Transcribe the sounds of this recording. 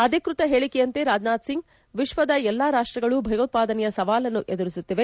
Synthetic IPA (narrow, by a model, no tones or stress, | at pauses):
ɐd̪ʱikɾut̪ɐɦeːɭikejɐnt̪e̞ɾaːd͡ʒnaːd̪siŋɡ | ʋiʃʋɐd̪ɐɛlːaːɾaːʂʈɾɐɡɐɭubʱɐjɐt̪̚paːd̪ɐnɛjɐsɐʋaːlɐnːuʔed̪uɾisut̪ːiʋe̞